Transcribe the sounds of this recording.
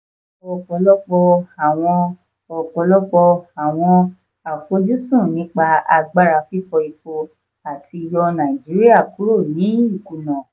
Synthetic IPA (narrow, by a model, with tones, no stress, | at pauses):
ɔ˨k͡pɔ˨˧˦lɔ˦k͡pɔ˧a˨w̃ɔ̃˧ | ɔ˨k͡pɔ˨˧˦lɔ˦k͡pɔ˧a˨w̃ɔ̃˧ | a˨fo˧˦d͡ʒu˦sũ˦˨nĩ˨˦k͡pa˧a˧ɡ͡ba˦ɾa˨˧fi˦fɔ˧i˧fo˧ | a˨tʰi˧i˧jɔ˧nã˨d͡ʒi˨˦ɾi˦a˦˨ku˨˦ɾo˦˨nĩ˨˦i˦˨ku˨nã˨